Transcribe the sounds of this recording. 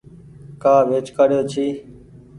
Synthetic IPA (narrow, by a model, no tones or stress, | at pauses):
kaːʋeːt͡ʃkaːɾjoːt͡ʃʰiː